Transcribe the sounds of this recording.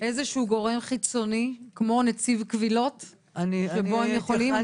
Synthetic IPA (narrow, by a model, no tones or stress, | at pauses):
ʔe̞zeʃuuɡo̞ʁe̞mχit͡so̞nikmo̞net͡sivkvilo̞t | ʃeboemjeχolim